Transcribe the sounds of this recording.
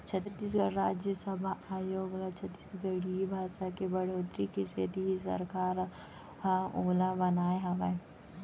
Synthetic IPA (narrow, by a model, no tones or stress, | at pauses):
t͡ʃʰɐiːs̬ɡɐɾaːd͡ʒjəsəbʱaaːjoːɡlat͡ʃʰət̪ːiːsɡəɽibʱaːʃakebɐɽ̤oːt̪ɾikiset̪iisɐ̰ɾkaːɾ | oːlabɐnaːeɦɐme